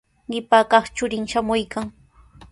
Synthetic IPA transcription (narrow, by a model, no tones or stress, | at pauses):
ɢɪpaːkɑχt͡ʃʊɾɪŋʃamʊjkaŋ